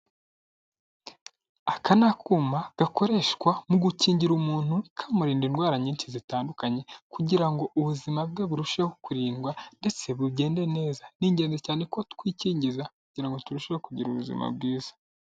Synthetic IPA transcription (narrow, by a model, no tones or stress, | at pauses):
akanakʰuːmaɡ̥ako̞ɾe̞ʃkwamuɡuciːɲɟiɾumuːn̥hukʰamuɾiːndinɡwaːɾaɲiːnʃizitaːndukaɲe̞kuɟiɾaŋɡo̞ʔuβuzimab̚ɡaβuɾuʃehokuɾiːnɡwande̞t͡se̞βubɟe̞ːnde̞ne̞ːzaniːɲɟe̞ːnzecaːne̞kotkwiːciːɲɟizakuɟiɾaŋɡo̞tuɾuʃiɾekuɟiɾuβuzḭma̰b̚ɡiːzḁ